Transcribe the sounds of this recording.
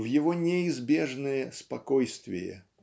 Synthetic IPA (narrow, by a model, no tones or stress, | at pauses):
vjɪvonʲɪɪzbʲeʐnəjəspɐkojst̪vʲɪ̰jə̰